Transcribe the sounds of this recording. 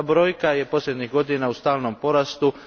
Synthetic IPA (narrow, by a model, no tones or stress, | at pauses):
bɾo̞ːjkaje̞po̞slʎʲe̞d̪ɲiɣɡo̞d̪inaust̪aːlˠnompo̞ɾast̪u